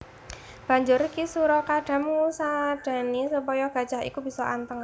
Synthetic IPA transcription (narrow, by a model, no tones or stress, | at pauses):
b̥a̤ɲd͡ʒʊrkisuɾɔkaɖ̥a̤mŋusad̥a̤nisəpɔjɔɡ̥a̤d̥ʒ̥aɦḭkubisɔʔa̰nt̪əŋ